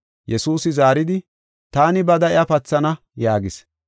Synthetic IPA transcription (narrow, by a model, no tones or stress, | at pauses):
jɛsuːsɪzaːɾɪd̪ɪ | t̪aːnɪbɐd̪ɐɪɐpɐt͡sːɐnɐ | jaːɡɪs